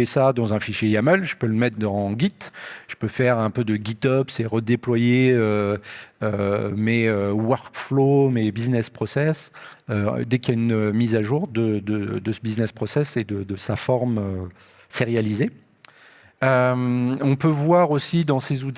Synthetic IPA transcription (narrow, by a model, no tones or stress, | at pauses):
esad̪ɑ̃zɛ̃fiʃjeamœlʒəpøləmɛt̪χd̪ɑ̃ɡʲit̪ʒ̥ə̥pøfɛʁɛ̃pød̪əɡʲit̪ɔpsɛʁəd̪eplwajeø | ømɛøwœʁkflomebiznɛspχɔsɛsø̰d̪ɛkjaynmizaʒuʁd̪əd̪əd̪əsəbiznɛspχɔsɛsed̪əd̪əsafɔʁmø | seʁejalize | ømɔ̃pøvwaʁosid̪ɑ̃sezut̪